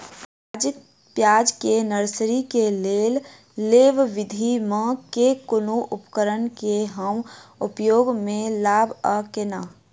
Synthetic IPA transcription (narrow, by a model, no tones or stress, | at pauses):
aːd͡ʒɪk̚ | pjaːd͡ʒkenəɾsɾikeleːl | leːʋʋɪd̪ʱimə̃kekʊnuʔʊpkəɾənkeɦəmʊpjoːɡmẽlaːbʱəkenaː